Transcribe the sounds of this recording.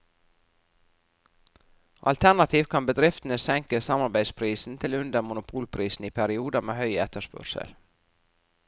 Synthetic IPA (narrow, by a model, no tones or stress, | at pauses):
ʔɑ̰lt̪ʰæɳɑt̪ʰiːʋkʰɑnbəd̪ɾɪft̪n̩əsɛŋkəsɑmɑɾbæɪspʰɾiːsn̩t̪ʰɪlʉnd̪əɾmʊnʊpʰuːlpʰɾiːsn̩iːpʰæɾɪuːd̪ɑmeːhœʏɛt̪əʂpœ̰ɾʂə̰l